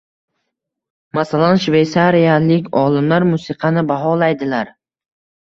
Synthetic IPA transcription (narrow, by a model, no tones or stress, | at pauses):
masalanʃve̞jsaɾijalɪkʲɒlˠɪmlaɾmʊsɪqʰɑnɪbaɦɒlajd̪ɪlaɾ